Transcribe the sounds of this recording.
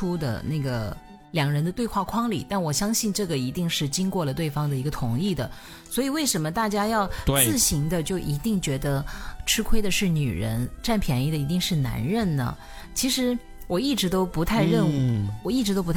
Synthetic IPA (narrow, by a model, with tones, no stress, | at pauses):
u˥d̪ə̰˨˩na˥˩ɡə̰˩ | ljɑ˨˩ŋɻə˧˥nd̪ə˧t̪we˥˧ɪxwa˥˩kʰwɑ˥ŋlḭ˨˩t̪a˥˩nwɔ˨˩ɕjɑ˥ŋɕi˥˧nʈ͡ʂɤ˥˩ɡə˩i˧˥t̪i˥˧ŋʂɻ̩˥˩t͡ɕi˥ŋkwɔ˥˩lə˩t̪we˥˩ɪfɑ˥ŋd̪ə˨i˧˥ɡə˧t̪ʰʊ˧˥ŋi˥˩d̪ə˩ | swɔ˧˥i˨˩we˥˩ɪʂə˧˥nmə˧t̪a˥˩t͡ɕja˥jɑ˥˧ʊt̪ɹ̩˥˩ɕi˧˥ŋd̪ə˧t͡ɕjo˥˩ʊʔi˧˥t̪i˥˩ŋt͡ɕɥɛ˧˥d̪ə˧ʈ͡ʂʰɻ̩˥kʰwe˥ɪd̪ə˨ʂɻ̩˥˩ny̰˨˩ɻə̰˧˥nʈ͡ʂa˥˩npʰjɛ˧˥ni˥˩d̪ə˩i˧˥t̪i˥˧ŋʂɻ̩˥˩na̰˧˥nɻə˥˩nnə̰˩ | t͡ɕʰi˧˥ʂɻ̩˧˥ | wɔ˨˩i˥˩ʈ͡ʂɻ̩˧˥t̪o˥ʊpu˧˥t̪ʰa˥˧ɪɻə˥˧nu˥˩wɔ˨˩i˥˩ʈ͡ʂɻ̩˧˥t̪o˥ʊpu˧t̪ʰ